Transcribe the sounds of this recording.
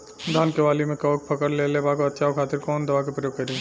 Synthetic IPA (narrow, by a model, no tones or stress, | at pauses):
d̪ʱaːnkeʋaːlimẽkɐʋk̚pʰɐkəɾlelebaːkoɐt̪ːʃʰaokʰaːt̪ɪɾkɔːnd̪ɐʋakepɾɐjoːɡkɐɾi